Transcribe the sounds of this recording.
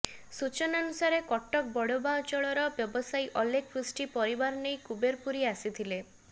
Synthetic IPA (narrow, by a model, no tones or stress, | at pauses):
sut͡ʃɔnɔnusaɾekɔʈːɔk̚bɔɽobaɔt͡ʃɔɭɔɾɔbjɔbɔsajʔɔlek̚ʰfɾisʈipɔɾibaɾɔnejkubeɾpuɾiasit̪ʰile